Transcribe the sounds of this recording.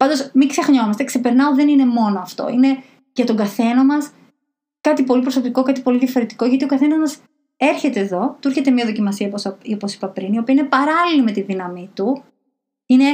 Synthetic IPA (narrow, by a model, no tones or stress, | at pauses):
pɐnd̪o̞smiŋksexɲo̞mɐst̪e̞kse̞pe̞ɾnɐoðenine̞mo̞no̞ɐft̪o̞̰ine̞ | ʝɐt̪o̞ɡɐθe̞nɐmɐs | kɐt̪ipo̞lipɾoso̞piko̞kɐt̪i̥po̞liðʝɐfo̞ɾe̞t̪i̥ko̞ʝɐt̪io̞kɐθe̞nɐzmɐs | e̞ɾçe̞t̪e̞ːðo̞t̪uiɾçe̞t̪emiɐðo̞cimɐsiɐosoposi̥pɐpɾinio̞piɐinepɐɾɐlilime̞t̪iðinɐmit̪u | ine̞